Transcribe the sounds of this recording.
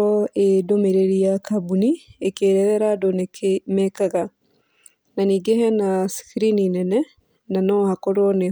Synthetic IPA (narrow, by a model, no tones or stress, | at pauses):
ɔedomeɾeɾiakabuniekeːɾɛɾɛɾadonmɛkaɣa | naniːɡehɛnaskiɾininɛnɛ | nanɔhakɔɾwɔne